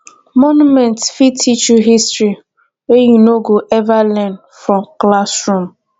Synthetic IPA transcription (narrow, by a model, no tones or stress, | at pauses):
mɔnumɛ̃ntfitʰit͡ʃuɦistɹi | ejinoɡoʔɛvalɛ̃n | fɾɔ̃mklasɹũm